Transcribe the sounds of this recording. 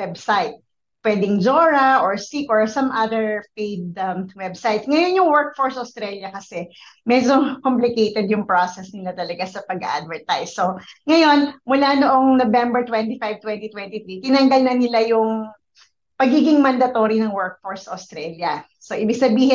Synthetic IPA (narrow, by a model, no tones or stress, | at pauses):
wɛbsajt̪̚ | pwɛːd̪ɪŋd͡ʒoɹɐʔoɹsikʔɔɹsɐmʔaðɛɹpejd̪̚ɐwɛbsajt̪sŋɐjonjʊŋwɛɹk̚foɹsʔɐst̪ɾɛljɐkɐsɛmɛd͡ʒokɔmplɪkejt̪ɛd̪jʊŋpɹosɛsnɪlat̪ɐlɐɡasɐpɐɡɐ̰ʔa̰d̪̚vɛɹt̪ajsːoŋɐjo̞nmʊlanoʔoŋnobɛmbɛɹt̪wɛnt̪ifajv̚t̪wɛnt̪it̪wɛnt̪it̪ɾit̪ɪnɐŋɡɐlnɐnɪlajʊŋ | pɐɡiːɡɪŋmɐnd̪ɐt̪o̞ːɾinɐŋwɛɹk̚foɹsʔost̪ɾɛljɐ | soʔibɪɡsɐbiːhɪ